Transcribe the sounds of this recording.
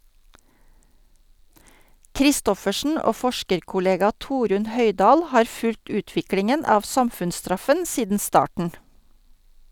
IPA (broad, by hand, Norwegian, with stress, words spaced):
kɾɪˈstɔfəʃn̩ ˈoː ˈfɔʃkəɾkʊˌleːɡɑ ˈtuːɾʉn ˈhœɪˌdɑːl ˈhɑːɾ ˈfʉlt ˈʉːtʋɪklɪŋən ˈɑːʋ ˈsɑmfʉnsˌstɾɑfən ˈsiːdn̩ ˈstɑːʈɳ̩